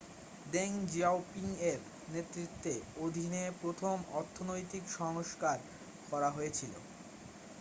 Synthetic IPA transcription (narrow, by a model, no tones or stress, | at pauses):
deŋd͡ʑawpiŋeɾ | net̪ːɾit̪ːeod̪ʱinepɾot̪ʰomɔɾt̪ʰːonojt̪ikʃɔŋoʃkaɾ | kɔɾaɦoet͡ɕʰilo̰